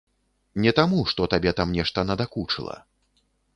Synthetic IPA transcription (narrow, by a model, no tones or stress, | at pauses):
nʲɛt̪amuʂt̪ɔt̪abʲɛt̪amnʲɛʂt̪ɐnɐd̪akut͡ʂɨ̰lˠɐ̰